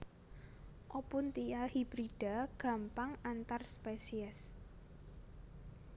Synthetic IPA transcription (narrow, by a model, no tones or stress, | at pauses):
ʔɔpʊnt̪ijahib̥ɾiɖ̥a̤ɡ̥a̤mpaŋant̪arspesiɛs